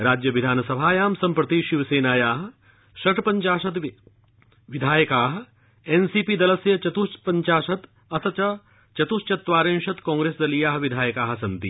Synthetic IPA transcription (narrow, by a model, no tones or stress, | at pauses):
ɾaːd͡ʒjɐʋid̪ʱaːnɐsɐbʱaːjaːmsɐmpɾɐt̪iʃiʋɐseːnaːjaːɦɐ̆ | ʃɐʈpɐɲt͡ʃaːʃɐt̪ | ʋid̪ʱaːjɐkaːɦɐ̆ | ensiːpid̪ɐlɐsjɐt͡ʃɐt̪uspɐɲt͡ʃaːʃɐt̪ | ɐt̪ʰɐt͡ʃɐ | t͡ʃɐt̪ust͡ʃɐt̪ːʋaːɾẽːnʃɐt̪kɔ̃ːŋɡɾeːsd̪ɐlijaːɦʋid̪ʱaːjɐkaːɦɐsɐnt̪ḭ